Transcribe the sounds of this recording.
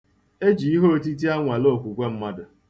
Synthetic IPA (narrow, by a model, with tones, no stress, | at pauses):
e˦d͡ʒi˨i˦ɦo˦o˦ti˦t̬i˦a˦ŋʷa˨lo˦˨kʷu˨kʷe˦m̩˦ma˦dʊ˨